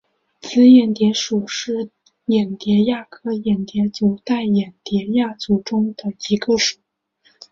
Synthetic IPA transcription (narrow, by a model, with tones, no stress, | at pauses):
t͡sʰɹ̩˥jɛ˨˩nt̪jɛ˧˥ʂu˨˩ʂɻ̩˥˩ | jɛ˨˩nt̪jɛ˧˥ja˥˩kʰɤ˥jɛ˨˩nt̪jɛ˧˥t͡ɕjo˧˥ʊt̪a˥˩ɪjɛ˨˩nt̪jɛ˧˥ja˥˩t͡su˧˩ʈ͡ʂʊ˥ŋd̪̥ə˨i˧˥ɡə˧ʂu˨˦˩